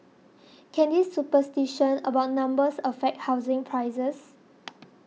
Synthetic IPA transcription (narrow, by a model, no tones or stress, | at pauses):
kʰɛ̃ndisːupəstiʃə̃nəbawt̚nãmbəsɔffɛk̚hawzɪ̃ŋpʰɹajzəs